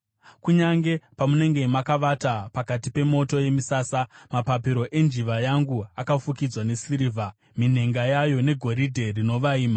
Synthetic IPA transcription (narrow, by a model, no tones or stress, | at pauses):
kuɲaŋɡe̞pamune̞ŋɡe̞makaʋatapakatipe̞mo̞to̞je̞misaːsamapapiɾo̞ʔe̞nd͡ʒiʋajaŋɡuakafukid͡zwane̞siɾivʱa | min̤e̞ŋɡajajo̞ne̞ɡʱo̞ɾidʱe̞rino̞ʋaiːma